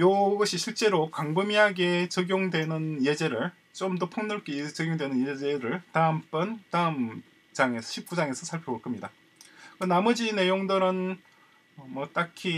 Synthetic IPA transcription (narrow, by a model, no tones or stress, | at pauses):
joɡʌɕʰiɕʰiɭt͡ɕ͈e̞ɾokaŋbɯmiɦaɡe̞t͡ɕʌɡjoŋdwe̞nɯnje̞d͡ʑe̞ɾɯɭ | t͡ɕ͈omdʌpʰoŋnɯɭk͈et͡ɕʌɡjoŋdwe̞nɯnjed͡ʑe̞ɾɯɭtaɯmp͈ɯntaɯm | d͡ʑaŋe̞sʰʌɕʰip̚k͈ud͡ʑaŋe̞sʰʌsʰaɭpʰjʌoɭk͈ʌmɲida | kɯnamʌd͡ʑine̞joŋdɯɾɯn | ʌmʌt͈akʰi